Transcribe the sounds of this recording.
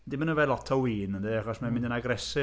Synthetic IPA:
dɪmanəvɛlˠɔtʰɔwiːnəndeaχɔsmamɪ̃ndənaɡrɛsɪ

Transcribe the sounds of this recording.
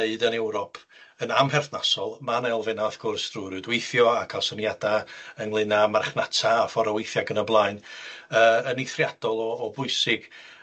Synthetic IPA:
eɨdənɛwɾɔpʰ | ənamɦɛrθnasɔlˠmanɛlˠvɛnaafɡ̥ʊrsd̥ruɾɨdweɨθjɔakʰasɔnjadaənlˠɨnamarχnatʰaːfɔɾɔweɨθjaɡənəblˠaɨnəːənejθrjad̥ɔlˠɔːbʊɨsɪɡ̥

